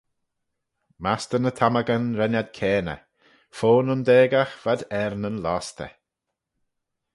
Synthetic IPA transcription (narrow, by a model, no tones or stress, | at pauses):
mast̪ənət̪ʰaməɡənɾɛnad̪̚kʰɛːnə̰ | foːnənd̪eːɡaxv̥ad̪ɛɾnənlaːst̪ə̰